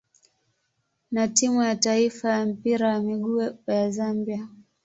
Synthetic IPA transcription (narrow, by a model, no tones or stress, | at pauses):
natimujataifajam̩piɾajamiɠujazambia